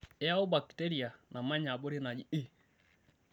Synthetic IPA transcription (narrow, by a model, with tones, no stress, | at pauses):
e˦a˦o˦ba˨kte˦ɾi˨a˨na˨ma˦ɲa˨bo˦ɾe˦na˨d͡ʒi˦e˦